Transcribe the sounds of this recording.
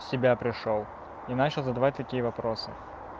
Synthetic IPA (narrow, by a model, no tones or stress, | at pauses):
sʲɪbʲapɾʲɪʂolˠ | inat͡ɕɪlˠzəd̪ɐvatʲt̪ɐkʲijəvɐpɾosɨ̰